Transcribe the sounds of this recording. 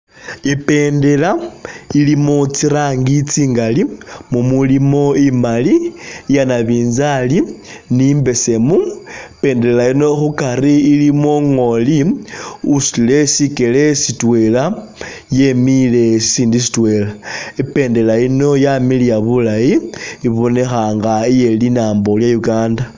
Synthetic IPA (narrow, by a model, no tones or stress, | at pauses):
ipe̞ːnde̞lailimot͡siɾaŋɡit͡siŋɡalimumulimo̞imalijanaβiːnzali | nimbe̞se̞mupe̞ːndeelaino̞xukaɾiːlimoŋo̞li | usile̞sike̞le̞sitwe̞la | jemile̞siːndis̬i̥twe̞laipe̞ːndeaino̞jamilijaβulajiiβo̞ne̞xaŋɡaije̞linaːmbo̞ljajuɡaːnda